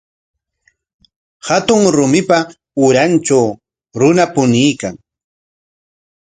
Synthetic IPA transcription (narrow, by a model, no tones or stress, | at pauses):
hat̪ʊŋɾʊmɪpa | ʊɾant͡ʃaw | ɾʊnapʊnijkaŋ